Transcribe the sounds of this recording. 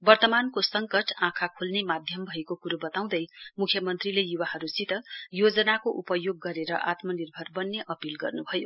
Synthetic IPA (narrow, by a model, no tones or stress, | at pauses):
bʌrt̪ʌmankosʌŋkʌʈãkʰakʰulnemad̪ʱjʌmbʱʌekokuɾubʌt̪aw̃d̪ʌjmukʰjʌmʌnt̪rilejuwahʌɾusit̪ʌjod͡zʌnakoʔupʌjoɡːʌɾeɾʌʔat̪mʌnirbʱʌrbʌnːeʔʌpilɡʌ̰rnubʱʌjo